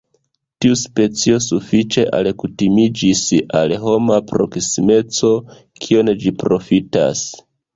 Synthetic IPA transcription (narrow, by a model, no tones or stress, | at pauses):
tiuspe̞t͡sio̞sufit͡ʃe̞ʔa̰lkutimid͡ʒisalɦo̞mapɾo̞̰ksime̞t͡so̞ | kʰio̞nd͡ʒipɾo̞fita̰s